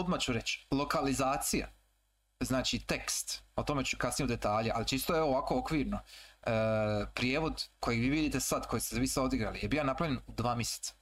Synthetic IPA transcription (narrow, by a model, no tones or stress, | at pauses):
od̪mat͡ɕuɾe̞t͡ɕlo̞kalizaːt̪sija̰ | znaːt͡ʃit̪e̞kst̪ot̪o̞met͡ʃukasnijeud̪e̞t̪aːʎeʔa̰lit͡ʃist̪ojeoʋaːko̞okʋiːɾno | pɾjeːʋo̞d̪kʰo̞jiʋiːʋid̪iːt̪esad̪ko̞jist̪ezaʋisao̞d̪iɡɾa̰lijebiːanapɾaʋʎenud̪ʋaːmjese̥t̪sḁ